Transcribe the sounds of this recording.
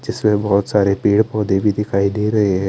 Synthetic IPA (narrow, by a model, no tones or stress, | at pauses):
d͡ʒɪsmẽbɔɦʊt̪saːɾepiːɽpɔːd̪ebʱid̪ɪkʰaːiniɾɐɦeɦɛ̃ː